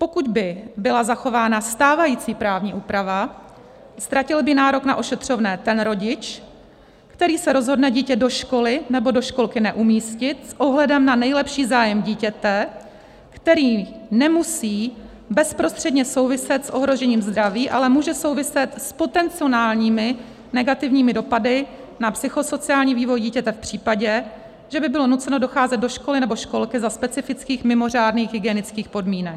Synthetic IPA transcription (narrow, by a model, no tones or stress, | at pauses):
po̞kuɟbɪbɪlazaxo̞vaːnast̪aːvajiːt͡siːpɾaːvɲiːʔuːpɾava | st̪ɾacɪlbɪnaːɾo̞knaʔo̞ʃɛt̪r̝̥o̞vnɛːt̪ɛnɾo̞ɟɪt͡ʃ | kt̪ɛɾiːsɛɾo̞zɦo̞dnɛɟiːcɛdo̞ʃko̞lɪnɛbo̞do̞ʃko̞lkɪnɛʔumiːscɪt̪sʔo̞ɦlɛdɛmnanɛjlɛpʃiːzaːjɛmɟiːcɛt̪ɛ | kt̪ɛɾiːnɛmusiː | bɛspɾo̞st̪r̥ɛdɲɛso̞wvɪsɛt̪sʔoɦɾo̞ʒɛɲiːmzd̪ɾaviːʔalɛmuːʒɛso̞wvɪsɛt̪spo̞t̪ɛnt͡sɪo̞naːlɲiːmɪ | nɛɡat̪ɪvɲiːmɪdo̞padɪ | napsɪxo̞so̞t͡sɪaːlɲiːviːvo̞jɟiːcɛt̪ɛfpr̝̥iːpaɟɛ | ʒ̥ɛbɪbɪlo̞nut͡sɛno̞doxaːzɛd̪do̞ʃko̞lɪnɛbo̞ʃko̞lkɪzaspɛt͡sɪfɪt͡skiːxmɪmo̞r̝aːdniːxɦɪɡɛnɪt͡skiːxpo̞dmiːnɛk